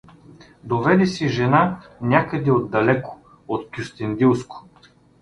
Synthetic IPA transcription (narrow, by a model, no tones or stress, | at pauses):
d̪ovɛd̪ɛsiʒɛnanʲakəd̪ɛod̪ːɐlɛko̥ | ot̪kʲust̪ɛnd̪ilˠskʊ̥